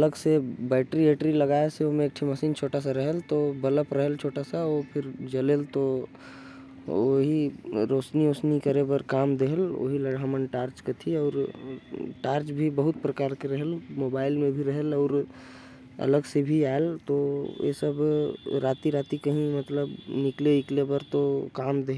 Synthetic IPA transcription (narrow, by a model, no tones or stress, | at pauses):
ɐləɡsebɛːʈɾieːʈɾilɐɡaːeseomẽːk̚ʈʰimɐsiːnt͡ʃʰoːʈas̬aɾɐɦəlt̪obɐləpɾɐɦəlt͡ʃʰoːʈasaopʰɪɾd͡ʒɐleːlt̪o | oɦiɾoːsnioːsnikɐɾebəɾkaːmd̪eɦəlo̰ːɦiləɽɦaːmənʈaːɾt͡ʃket̪ʰiɔːɾ | ʈaːɾt͡ʃbʱibɐɦʊt̪̚pɾɐkaːɾkeɾɐɦelmoːbaːɪlmẽbʱiɾɐɦəlɔːɾ | ɐ̰ləɡsebʱiaːelt̪ojḛsɐbɾaːt̪iɾaːt̪ikɐɦĩmɐt̪ləbnɪkleɪklebəɾt̪okaːmd̪eɦ